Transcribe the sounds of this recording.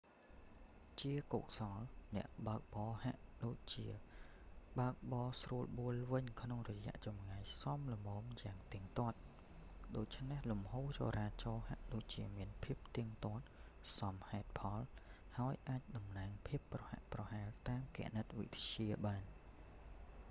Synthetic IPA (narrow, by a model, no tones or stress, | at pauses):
t͡ɕiəko̰ːk̚sɑlnɛ̆əʔɓaək̚ɓɑːha̰ʔɗoːc̚t͡ɕiə | ɓaək̚ɓɑːsruəlɓuəlʋɨɲkʰnoŋrɔjɛ̆əʔt͡ɕɑmŋajsɑmləmɔːmjaːŋt̪iəŋt̪ŏət̪̚ | ɗoːc̚t͡ɕʰnehlumhoːt͡ɕo̰ːɾaːt͡ɕɑːhaʔɗoːc̚t͡ɕiəmiənpʰiəp̚t̪iəŋt̪ŏət̪̚ | sɑmhaɛt̪̚pʰɑl | haəjʔaːc̚ɗɑmnaːŋpʰiəpːrɑha̰ʔprɑhaɛlt̪aːmkɛ̰̆əʔnət̪̚ʋḭt̪t͡ɕiəɓaːn